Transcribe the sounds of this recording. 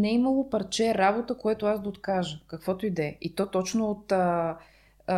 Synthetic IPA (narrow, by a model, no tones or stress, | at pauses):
nɛimɐlˠopɐɾt͡ʃɛɾabot̪əkojat̪ʊasd̪ɐot̪kaʒəkɐkvɔt̪oid̪ɛit̪ɔt̪ɔt͡ʃnʊːt̪ə